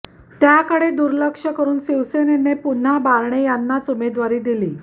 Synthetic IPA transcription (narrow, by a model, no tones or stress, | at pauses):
t̪jakəɽed̪uɾləkʂəkəɾuːnsiʋsenenepun̤abaɾɳejanːat͡sumed̪ʋaɾiːd̪iliː